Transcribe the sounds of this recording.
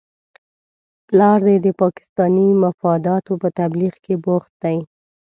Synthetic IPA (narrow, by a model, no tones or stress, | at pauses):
plɑɾd̪ed̪əpɑkɪ̥st̪ɑnimafɑd̪ɑt̪opət̪abliɣkeboxt̪̚d̪aj